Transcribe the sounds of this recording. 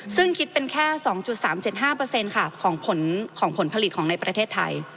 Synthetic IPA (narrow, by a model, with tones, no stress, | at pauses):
sɯ˥˩ŋkʰi˦˥t̪̚pe˧nkʰɛː˥˩sɔː˩˦ŋt͡ɕu˨˩t̪̚saː˩˦mt͡ɕe˨˩t̪̚ɦaː˥˩pɤː˧se˧nkʰa˥˩kʰɔː˩˦ŋpʰo˩˦nkʰɔː˩˦ŋpʰo˨˩˦npʰa˧li˨˩t̪̚kʰɔː˩˦ŋna˧jpɾa˧t̪ʰeː˥˩t̪ʰːa̰˧j